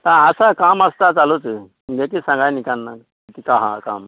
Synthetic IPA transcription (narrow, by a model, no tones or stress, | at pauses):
t̪aəsakaməst̪at͡salot͡sə | ɡekisãŋɡajnikannːa | it̪ikaɦa̰ka̰m